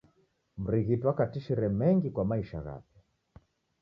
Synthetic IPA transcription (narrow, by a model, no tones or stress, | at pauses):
m̩ɾiɣitwakatiʃiɾɛmɛŋɡikwamaiʃa̰ɣa̰pjɛ